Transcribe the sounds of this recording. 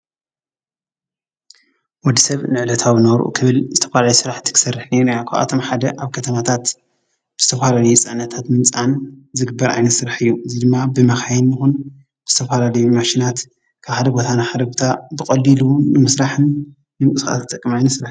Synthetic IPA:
wɔd̪isɐβnɨʕlɐt̪ʰawnɐβɾʔṵkʰɨβɨlzɨt̪ʰɐ̥falaljusɨɾaħt̪ʰi̥kʰɨ̥sɐrːɨħnenejakʰaβʔa̰t̪ʰo̞mħad̪ɐʔaβkʰɐt̪ʰɐmat̪ʰat̪ | bɨzɨt̪ʰɐfalalɐjusʼɨʕnːɐt̪ʰat̪mɨnt͡sʼanzɨɡɨbːɐɾʔa̰jnɐt̪sɨɾaħɨjːuʔɨzid̪ɨmːabɨmɐxajɪnjɨxun | b̥ɨzɨt̪ʰɐfalalɐjumaʃinat̪ | kʰaβħad̪ɐbo̞t̪ʰanaħad̪ɐbot̪ʰabɨkʼɐlːilunɨmɨsɾaħɨnː | ɨmkʼɨsxa̰t̪t̪ʼːɐkʼːɨmajnɐtsɾaħ

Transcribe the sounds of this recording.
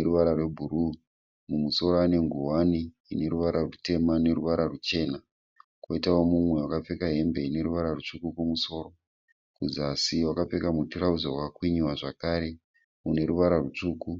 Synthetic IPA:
eɾuʋaɾarwe̞bʱuɾu | mumuso̞ɾoane̞ŋɡuwani | ine̞ɾuʋaɾarute̞mane̞ɾuʋaɾarut͡ʃe̞ːna | kwoitawo̞mumwe̞wakap͡fe̞kaɦe̞mbe̞ine̞ɾuʋaɾarut͡ʂukukumuso̞ːɾo̞ | kuzasiwakap͡fe̞kamutiɾaud͡zawakakwiɲiwaʐakaːɾe̞ | une̞ɾuʋaɾarut͡ʂuːku

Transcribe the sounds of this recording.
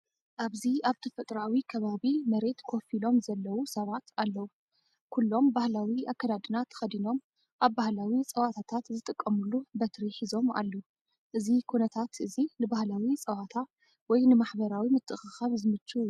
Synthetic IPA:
ʔaβziaβt̪ʰɐfɐt̪ʼɾawikʰɐβaβimɐɾe̞t̪kʰo̞filo̞mzɐlːɐwusɐβat̪ʰalːɐwu | kʰulːo̞mbahlawiʔakːɐd̪ad̪ɨnat̪ʰːxɐd̪ino̞m | ʔaβːahlawit͡sʼɐwat̪ʰat̪ʰat̪zɨt̪ʼɨkʼːɐmulubɐt̪ʰɾiħizo̞ma̰lːu | ʔɨzikʰunɐt̪ʰat̪ʔɨzinɨbahlawit͡sʼɐwat̪ʰa | wɔjnɨmaħbɐɾawimɨt̪ʰʼːɨxɨxaβzɨmɨt͡ʃːu

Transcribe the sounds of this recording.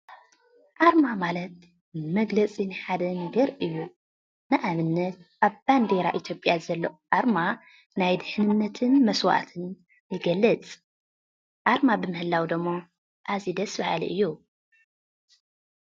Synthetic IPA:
ʔaɾmamalɐt̪̚ | mɐɡlɐt͡sʼinɨħad̪ɐnɐɡɐɾʔɨjːu | nɨʔamɨnːɐt̪̚ʔaβb̥and̪eɾaʔit̪ʰjo̞pʼjazɐlːɐʔʔaɾma | najd̪ɨħnɨnːɐt̪ʰɨnmɐswʔa̰t̪ʰɨn | jɨɡɐlːɨt͡sʼ | ʔaɾmabɨmɨhɨlːawd̪ɨmːo | ʔazid̪ɐsbahalḭʔɨjːu

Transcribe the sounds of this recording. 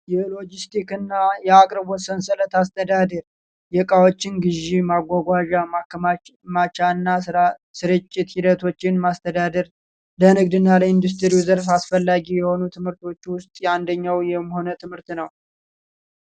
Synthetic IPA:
jɛlo̞d͡ʒist̪ʰikɨnːajɛakʼɾɨbwɔsənsələt̪ast̪ʰəd̪ad̪əɾ | jɛkʼawot͡ʃːɪnɡɨʒimaɡʷaɡʷaʒamakmat͡ʃaɨnːasɨɾɨt͡ʃʼːɪt̪hid̪ət̪ʰo̞t͡ʃːɪnmast̪ʰəd̪ad̪əɾ | lənɨɡd̪ɨnːaləind̪us̬t̪ʰɨɾiuzəɾfasfəlːaɡijɛho̞nut̪ʰɨmhɨɾt̪o̞t͡ʃːwʊst̪ʼjand̪əɲːawjɛmːho̞nət̪ʰɨmhɨɾt̪nəw

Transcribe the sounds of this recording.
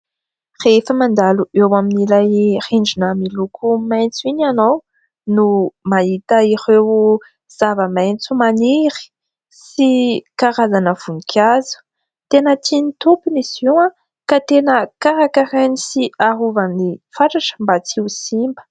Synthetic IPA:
refəmand̪aluʔewaminilajχiɳd͡ʒinəmilukumajnt͡suiɲanow | numaɦit̪aiɾew | z̥avəmajnt͡sumaniɾi̥ | sikaɾazanəv̥unikʲʰazu̥ | t̪enət̪ʰinit̪upuniziwã | kat̪enəkaɾakaɾanisiaɾuvənifaʈ͡ʂaʈ͡ʂə̥mbat͡siusimbə̥

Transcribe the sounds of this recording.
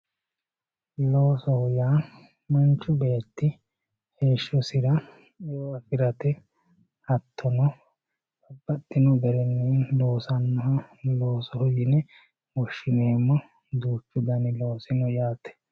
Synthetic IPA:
lo̞ːsɔhʊjaː | mɐnt͡ʃːʊbe̞ːt̪ːɪ | he̞ːʃːɔsɪɾɐ | joɐfɪɾɐt̪ɛ | hɐt̪ʰːɔnɔ | bɐbːɐt̪ːɪnɔbɛɾɛnːeːnlo̞ːsɐnːɐɦɐlo̞ːsɔhʊjɪnɛ | wɔʃːɪne̞ːmːɔ | d̪uːt͡ʃːʊd̪ɐnɪlo̞ːsɪnɔjaːt̪ɛ̥

